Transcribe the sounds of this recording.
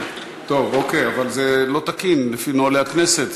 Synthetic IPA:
t̪o̞vo̞ke̞javalzelo̞t̪akinlefinoaleaknese̞t̪

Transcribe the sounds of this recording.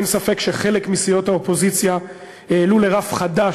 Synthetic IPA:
nsafe̞kʃe̞χe̞le̞kmisijo̞thaopo̞zit͡sja | jeːlule̞ʁafχada

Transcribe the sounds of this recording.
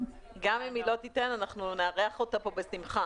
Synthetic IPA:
ɡamimilo̞titenanaχnuneaʁeaχotapo̞besimχa

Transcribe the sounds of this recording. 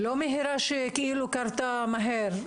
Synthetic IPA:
lomiɦiɾaʃekeʔilukaɾt̪amaɦeɾ

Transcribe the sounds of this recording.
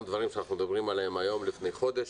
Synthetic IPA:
d̪vaʁimʃeanaχnumed̪abʁimalaemajo̞mlifne̞jχo̞d̪e̞ʃ

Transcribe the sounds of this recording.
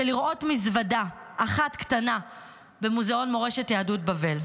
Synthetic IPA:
eliʁʔo̞tmizvadaʔaχatktana | be̞muzao̞nmo̞ʁe̞ʃe̞tjaːdut̚bave̞l

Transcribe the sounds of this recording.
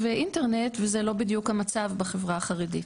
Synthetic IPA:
veʔinte̞ʁne̞tvezelo̞bidjukhamat͡savbeχevʁaaχaʁedit

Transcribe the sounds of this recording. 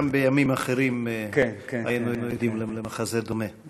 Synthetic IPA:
mbejamimaχeɾimka̰jinujinujod̪imlelemaχazed̪ome

